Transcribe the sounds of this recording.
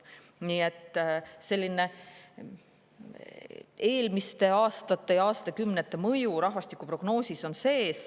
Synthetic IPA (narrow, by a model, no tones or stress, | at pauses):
niːe̞t̪ːˑse̞lʲːine̞ | e̞ːlmist̪e̞ɑːst̪ɑt̪ːˑe̞jɑːst̪t̪ekymnet̪ˑːe̞mɤjuɾɑhvɑst̪ikːˑupro̞ɡno̞ːsiso̞nse̞ːs